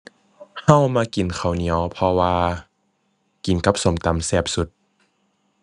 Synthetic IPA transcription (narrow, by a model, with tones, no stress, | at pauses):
ha˧˥˨wmaː˧ki˨˩nkʰa˨˩wni˨˦əwpʰɔ˧waː˧ | ki˨˩˦nka˧˥p̚so˨˦mt̪a˨˧˦msɛː˧˩p̚su˧˦t̪̚